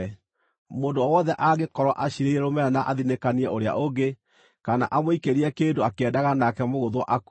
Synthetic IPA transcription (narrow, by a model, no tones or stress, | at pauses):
moːndoɔwɔðɛʔaɣekɔɾwɔʔaɕiɾeiɾɛɾomɛɾanaʔaðinekaniɛʔoɾea̰ʔoɡe | kana̰ʔamwoikeɾiɛkeːndoakɛdaɣanakɛmoɣoðwɔʔak